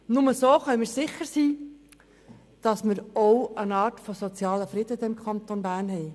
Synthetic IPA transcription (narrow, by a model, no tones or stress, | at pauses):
nʊməsoːχœmɪɾsɪχəɾsiː | d̥ɑsmɪɾowənɑːrtfosot͡sjɑːləfɾɪd̥əɪmkʰɑnt̪onbæːɾnɦɛɪ